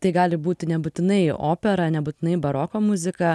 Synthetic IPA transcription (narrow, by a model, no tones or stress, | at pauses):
t̪ɐɪɡɑːlʲɪbuːt̪ʲɪnʲɛbʊt̪ʲɪnɐɪo̰ːpʲɛɾɐnʲɛbʊt̪ʲɪnɐɪbɐɾokoːmʊzʲɪkɐ